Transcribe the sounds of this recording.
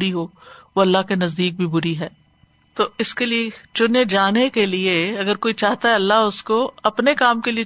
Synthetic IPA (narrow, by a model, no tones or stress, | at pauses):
ɾiɦoːʋoɐlːaɦkenɐzd̪iːk̚bʱibʊɾiɦɛː | t̪oːɪskeliet͡ʃʊned͡ʒaːnekelieɐɡəɾkoːit͡ʃaːɦt̪aɦɛɐlːaʊskoɐpnekaːmkelie